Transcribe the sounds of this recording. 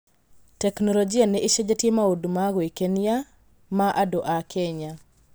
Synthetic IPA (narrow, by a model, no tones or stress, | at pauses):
tɛknɔlɔd͡ʒianɛʔiʃed͡ʒatjemaodumaɡoekenja | maʔadoʔakʰeɲa